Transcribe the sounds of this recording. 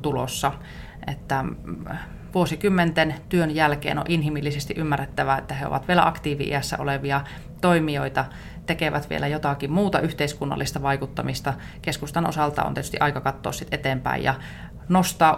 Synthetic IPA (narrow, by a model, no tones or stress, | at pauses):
t̪ulo̰sːɑ | ʔet̪ːæ | ʋuosikymːent̪ent̪yønjælkḛːno̰ʔinɦimilːisest̪iʔymːærːet̪ːæʋæet̪ːæheo̰ʋɑ̰t̪ʋielæ̰ʔɑkt̪iːʋḭʔḭæsːæ̰ʔo̰leʋiɑ | t̪oimioit̪ɑ | t̪ekeʋæt̪ʋḭelæjot̪ɑkimmuːt̪ɑyht̪eiskunːɑ̰lːist̪ɑʋɑikut̪ːɑmist̪ɑ | keskust̪ɑnʔo̰sɑlt̪ɑ̰o̰nt̪iet̪y̥st̪iʔɑikɑkɑt̪ːo̰ːssit̪ʔet̪eːmpæ̰ḭjɑ̰ | nost̪ɑː